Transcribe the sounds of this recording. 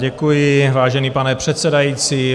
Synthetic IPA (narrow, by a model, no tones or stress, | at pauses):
ɟɛkujɪvaːʒɛniːpanɛpr̝̥ɛt̪sɛdajiːt͡siː